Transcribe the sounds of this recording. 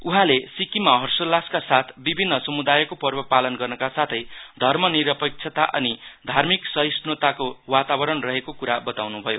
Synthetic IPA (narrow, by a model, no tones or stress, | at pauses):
uɦãlesikimaɦʌrsolːaskasat̪ʰbibʱinːʌsʌmud̪ajʌkopʌrbʌpalʌnɡʌrnʌkasat̪ʰʌjd̪ʱʌrmʌniɾʌpek̚t͡ʃʰʌt̪aʔʌ̰nid̪ʱarmiksʌisnot̪akowat̪abʌɾʌnrʌɦekokuɾabʌt̪awnubʱʌjo